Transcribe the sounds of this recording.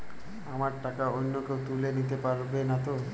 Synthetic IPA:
amaɾʈakaonːokewt̪ulenit̪epaɾbenat̪o

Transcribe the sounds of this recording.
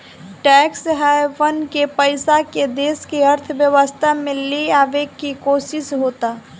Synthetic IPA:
ʈɛːksɦaeʋənkepəɪsaked̪eːskiəɾt̪ʰʋjəʋəst̪ʰamẽliaːʋekkikoːsɪsɦoːt̪a

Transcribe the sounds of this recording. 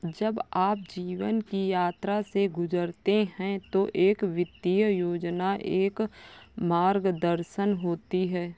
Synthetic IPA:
d͡ʒəbaːp̚d͡ʒiːʋənkijaːt̪ɾaseɡʊzəɾt̪eɦɛ̃t̪oʔeːkʋɪd̪ijəjoːd͡ʒnaʔeːkmaːɾɡd̪əɾʃənɦoːt̪iɦɛː

